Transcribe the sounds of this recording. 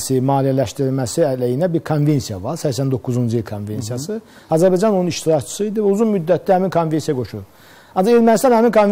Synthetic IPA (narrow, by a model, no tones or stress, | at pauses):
simɑːlijælæʃt̪iɾilmæsiælæjinæbiɾkʰonve̞nsijɑvɑɾsæçsænd̪o̞kʰːuzund͡ʒuilkʰonve̞nsijɑsɯ | ɑzæɾbɑjd͡ʒɑnouniʃt̪ʰiɾɑct͡ʃʰi̥sɯid̪ivæuzunmyd̪ːæt̪d̪æhæminkʰonve̞nsijɑɡo̞ʃuɾ | ɑnd͡ʒɑeɾmænist̪ɑnhæminkʰonv